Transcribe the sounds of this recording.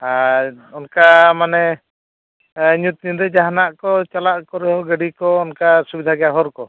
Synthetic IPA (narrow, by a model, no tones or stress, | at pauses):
a | ɔnkamanɛ | ɲut̪̚ɲuɾɛd͡ʒaɦanaʔkɔt͡ʃalaʔkɔɾɛɦɔɡəɽikɔɔnkasubid̪ʱaɡɛjaɦɔɾkɔ